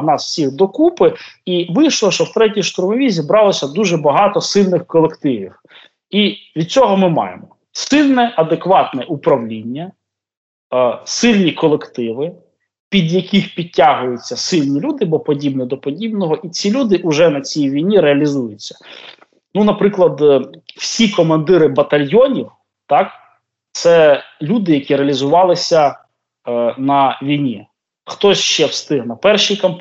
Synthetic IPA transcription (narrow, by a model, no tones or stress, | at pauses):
nɑsw̥sʲiɣd̪ɔkupɪiʋɪjʃlˠɔʃt͡ʃɔwt̪ɾɛtʲijʃt̪ʊɾmɔʋʲizʲibɾɑlˠɔsʲɐd̪uʒɛbɐɦɑt̪ɔsɪlʲnɪxkɔlˠekt̪ɪʋʲiw | iʋʲid̪̚t͡sʲɔɦɔmɪmɑ̰jḛmɔ | sɪlʲnɛʔɐd̪ekʋɑt̪nɛʔupɾɐwlʲinʲːɐ | sɪlʲnʲikɔlˠekt̪ɪʋɪ | pʲid̪jɐkʲixpʲitʲːaɦʊjʊt͡sʲːɐsɪlʲnʲilʲud̪ɪbɔpɔdʲibnid̪ɔpɔdʲibnɔɦɔʔit͡sʲilʲud̪ɪʔʊʒɛnɐt͡sʲijʋʲijnʲiɾeɐlʲizujʊt͡sʲːɐ̥ | nunɐpɾɪklˠɐd̪w̥sʲikɔmɐnd̪ɪɾɪbɐt̪ɐlʲjɔnʲiw | t̪ɑk | t̪sɛlʲud̪ɪjɐkʲiɾeɐlʲizʊʋɑlˠɪsʲɐ | nɐʋʲijnʲi | xt̪ɔsʲʃt͡ʃɛwst̪ɪɦnɐpɛrʃijkɐmp